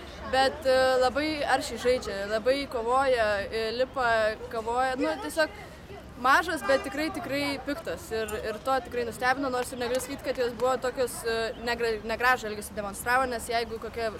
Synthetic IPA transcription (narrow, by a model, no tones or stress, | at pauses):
bʲɛt̪lˠɐbɐɪɐɾʲʃʲɛɪʒɐɪd͡ʒʲɛlˠɐbɐɪkoːʋoːjɛɪlʲɪpɐkɐʋoːjɛnʊt̪ʲiɛsʲoːk | mɑːʒɐsbʲɛt̪̚ʲtʲɪkɾɐɪt̪ʲɪkrɐɪpʲɪkt̪oːsɪrɪrt̪oːt̪ʲɪkɾɐɪnʊsʲt̪ʲæːbʲɪnoːnoːrsɪɾnʲɛɡɐlʲʊsɐ̥kʲiːt̪kɐt̪joːsbʊʋoːt̪oːkʲoːsnʲɛɡrɐnʲɛɡɾɑːʒoɛlʲɡʲɛsʲɪdʲɛmoːnst̪ɾɑːʋoːnʲɛsjɛɪɡʊkoːkʲɛ